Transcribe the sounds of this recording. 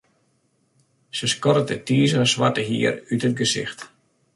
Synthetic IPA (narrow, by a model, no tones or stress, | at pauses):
səskɔɾətətiːzəəsʋatəɦḭərytət̚ɡəsɪ̰xt